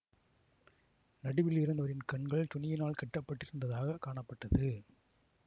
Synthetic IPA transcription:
nɐɽɯʋɪlɪɾɯnd̪ɐʋɐɾɪnkɐɳɡɐɭt̪ʊnɪjɪnaːɭkɐʈːɐpːɐʈːɪɾɯnd̪ɐðaːɣɐkaːɳɐpːɐʈːɐðɯ

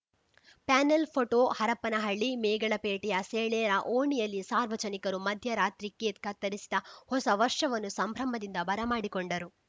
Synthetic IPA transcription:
paːnelpʰoʈoːhɐɾɐpːɐnɐɦɐɭːimeːɡɐɭɐpeːʈijɐseːɭɛːɾɐʔoːɳijɐlːisaːɾʋɐd͡ʒɐnikɐɾumɐd̪ʱjɐɾaːt̪ɾikːeːt̪kɐt̪ːɐɾisi̥d̪ɐhɔsɐʋɐɾʂɐʋɐnːusɐmbʱɾɐmɐd̪ind̪ɐbɐɾɐmaːɽikoɳɖɐɾu

